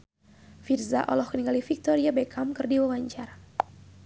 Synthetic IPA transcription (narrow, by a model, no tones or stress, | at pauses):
firza̰ʔɔ̰lɔhkəniŋɡalifik̚t̪ɔɾiabɛkʰamkɨrdiwawaɲt͡ʃar